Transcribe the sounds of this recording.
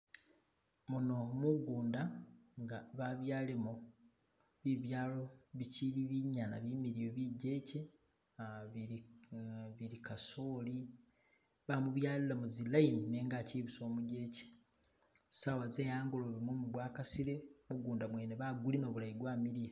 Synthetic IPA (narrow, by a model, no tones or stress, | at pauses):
muno̞muɡuːndaŋɡaβaβjaːlemo | βiβjaːlo̞βiciliβiɲːanaβimiɾijoβiɟe̞ːce | βiɾikaso̞ːli | βamuβjaːlilamuzilainine̞ːŋɡaciβuso̞ːmuɟe̞ːce̥ | sawazeːjaːŋɡuloβimwomuɡwaːkasiɾe̞muɡuːndamweːneβaɡulino̞βulaiɡwaːmiɾije